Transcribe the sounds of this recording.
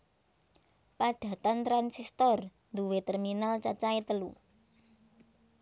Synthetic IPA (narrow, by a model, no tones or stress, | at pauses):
paɖ̪̥ä̤t̪ant̪ɾansist̪ɔr | nd̪uwet̪ɛrminalt͡ʃat͡ʃaet̪əlu